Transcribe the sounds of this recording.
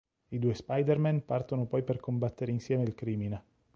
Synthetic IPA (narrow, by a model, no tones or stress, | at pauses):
id̪uːespajd̪ermɛnpart̪onopɔjperkʰombat̪ːeɾeinsjɛːmeilkɾiːmine